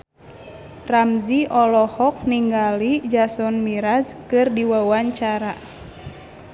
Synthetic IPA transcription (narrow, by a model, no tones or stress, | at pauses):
ramziʔɔlɔhɔk̚niŋɡalid͡ʒasɔnmiɾazkɨrdiwawaɲt͡ʃaɾa